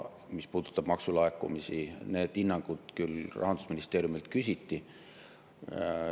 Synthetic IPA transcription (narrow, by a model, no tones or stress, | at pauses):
mispuːd̪̥ut̪ːˑɑb̥mɑksulɑekːˑumisine̞ːd̪̥inːɑŋɡ̥ud̪̥kylrɑ̰ɦɑnd̪̥usminist̪eːɾjumilt̪kysʲit̪ːi